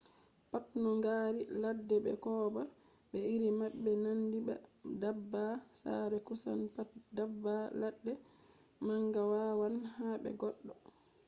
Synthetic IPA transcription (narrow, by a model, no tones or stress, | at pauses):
patnɔŋɡaːɾiladːɛbɛ̰kɔːba | bɛiɾimaɓːɛnandiba̰dabːasa̰ɾɛkusa̰npatdabːaladːɛ | maŋɡawawanhabɛ̰ɡɔɗːɔ